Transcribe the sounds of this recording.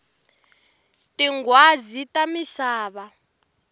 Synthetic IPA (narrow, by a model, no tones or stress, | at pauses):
tʼiŋɡwazitʼamiɬaːβa